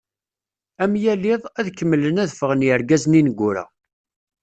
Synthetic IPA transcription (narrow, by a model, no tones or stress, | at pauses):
æmjæliðˤæðkːəmːlənæðfəʁənjəɾɡæzninəɡʷːʊɾæ̰